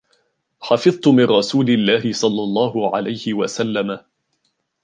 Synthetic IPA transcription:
ħɑfɨðˤt̪ʊmɪnɾɑsuːlɪlːaːɦɪsˤɑlːɑlˤːɑːɦʊʕa̰lajhɪwasalːama

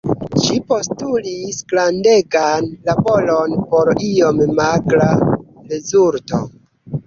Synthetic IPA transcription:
ʃipo̞stulisɡlande̞ɡanlabo̞lo̞npo̞ɾiommaɡla | ɾezuɾto̞̰

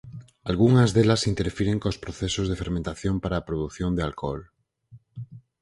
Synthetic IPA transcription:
alɣuŋazðelasint̪eɾfiɾeŋkospɾoθesozðefeɾmẽnt̪aθjompaɾaːpɾoð̞uθjond̪ealkɔl

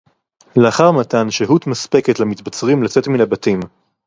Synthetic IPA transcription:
leaχaʁmatanʃeɦutmaspeketlamitbat͡sʁimlat͡se̞tminabatim

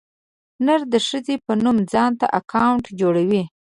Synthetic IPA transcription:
naɾd̪əʂəzepənumd͡zɑnt̪a̰ʔakʰawɳʈd͡ʒoɽawi

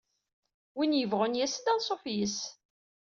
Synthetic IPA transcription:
winjəvʁʊnjæsəd̪ænsˤofjəs

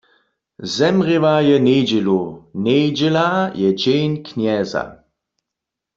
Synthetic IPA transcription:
zɛmʁivajɛned͡ʒɛluneːd͡ʒɛlajɛd͡ʒejnkʰnjɛːza̰

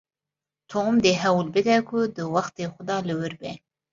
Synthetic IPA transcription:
t̪ʰomd̪eɦɛwlbɨd̪ɛkʰʊd̪ɨwɑxt̪eːxʊd̪ɑːlɨwɨɾbɛ

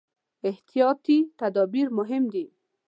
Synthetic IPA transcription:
ɪht̪ijɔt̪it̪ad̪ɔbiɾmʊɦɪmd̪i

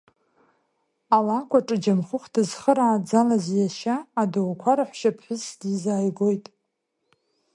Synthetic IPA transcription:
alakʷʰʼaʈ͡ʂʼɨd͡ʒamχʊχʷdɨzχəɾaːd͡zalazjaʃaːdowkʷʰaɾaħʷʃapʰħʷʊsdizaːjɡo̞jtʼ

